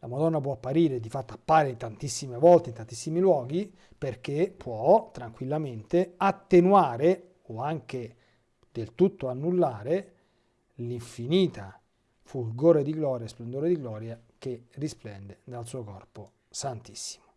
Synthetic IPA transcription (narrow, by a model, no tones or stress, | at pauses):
lamad̪ɔnːapwɔapːaɾiːɾed̪ifat̪ːoapːaːɾeit̪ant̪isːimevɔlt̪eint̪ant̪isːimilwɔːɡi | perk̟epʰːwɔt̪ɾaŋkwilːament̪eat̪ːenwaːɾe | oaŋk̟e | d̪elt̪ut̪ːoanːulːaːɾe | liɱfiniːt̪ʰa | fulɡoːɾed̪iɡlɔːɾjasplend̪oːɾed̪iɡlɔːɾja | kerːisplɛnd̪ed̪alsuːokɔrpo | sant̪i̥sːi̥mo